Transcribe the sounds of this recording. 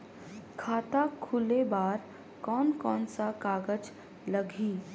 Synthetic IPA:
kʰaːt̪akʰʊlebaːɾ | kɔːnkɔːnsakaːɡəd͡ʒ | ləɡʱiː

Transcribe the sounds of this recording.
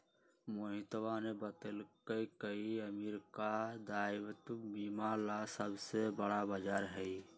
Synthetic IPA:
moɦit̪ʋanebət̪əlkəjkəiəmiɾkad̪aiʋət̪mimalasəbsebəɽabəd͡ʒaɾɦəi

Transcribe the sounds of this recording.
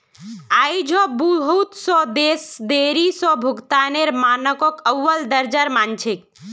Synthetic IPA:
ajd͡ʒʱɔbəɦut̪sɔd̪esd̪eɾisɔbʱukt̪aneɾmanəkɔkəwːəld̪əɾd͡ʒəɾmant͡ʃʰik̚

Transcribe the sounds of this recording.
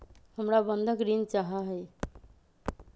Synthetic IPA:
həmɾabənd̪ʱəkɾint͡ʃaɦaɦəj

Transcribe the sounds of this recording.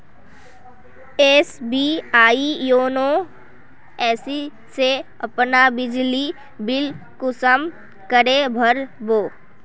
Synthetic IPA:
eːsbiːaːijoːno | ɛːsi | se | ɐpnabɪd͡ʒli | bɪl | kʊsəm | kəɾebʱəɾboː

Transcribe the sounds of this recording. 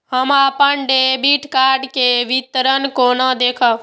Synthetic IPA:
ɦəmapənɖebiʈkaɾɖkeʋit̪ɾənkonəd̪ekʰə

